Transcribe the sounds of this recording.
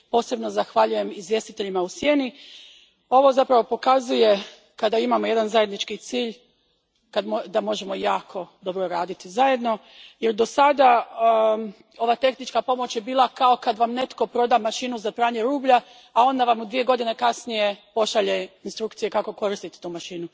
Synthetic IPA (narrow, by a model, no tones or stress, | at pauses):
po̞ːse̞bno̞zaxʋaʎuje̞mizʋje̞st̪it̪eʎimausje̞ːni | o̞ʋo̞zapɾaʋo̞po̞kazuje̞ | kad̪aimamo̞je̞d̪anzaje̞d̪nit͡ʃkit̪siːʎ | kad̪mod̪amo̞ʒe̞mo̞jaːkʰo̞d̪o̞bɾo̞ɾaːd̪it̪izaje̞d̪no̞ | jeɾd̪o̞sad̪a | o̞ʋat̪e̞xnit͡ʃkapo̞mo̞t͡ɕje̞biːlˠakao̞kad̪ʋamne̞t̪ko̞pɾo̞d̪amaʃiːnuzapɾaːɲe̞ɾuːbʎaː | o̞nd̪aʋamud̪ʋije̞ɡo̞d̪ine̞kasnije̞po̞ʃaʎe̞inst̪ɾukt̪sije̞kako̞ko̞ɾist̪it̪e̥t̪uːmaʃiːnu